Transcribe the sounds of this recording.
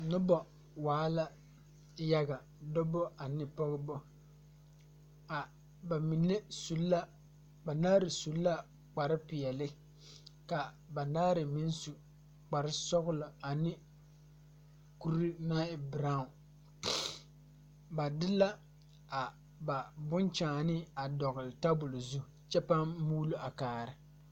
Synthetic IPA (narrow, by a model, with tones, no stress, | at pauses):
nʊ˦bɔ˨ | waː˨˦la˦ | ja˦ɡa˨ | dɔ˦bɔ˦a˨nɪ˦pɔ˦ɣʊ˦bɔ˦ | a˨ | ba˨mi˨ne˦su˨lːa˦ | ba˨naː˦ɾɪ˨su˨lːa˦ | k͡pa˨ɾɪ˦pɪ˨jɛ˨lɪ˦ | ka˨ | ba˨naː˦ɾɪ˨mi˦n˦su˨ | k͡pa˨ɾɪ˦sɔ˦ɣʊ˦lʊ˨a˨nɪ˦ | ku˦ɾi˦na˦ɪ˨bɾa˦˨ʊ˨ | ba˨dɪ˦la˦ | a˨ | ba˨bʊ˦nt͡ʃaː˨nɪ˦a˨dɔ˨ɣʊ˨lɪ˨ta˦bʊ˨lʊ˨zu˦ | t͡ʃɛ˦pa˦m˦muː˦lu˦a˨kaː˨ɾɪ˨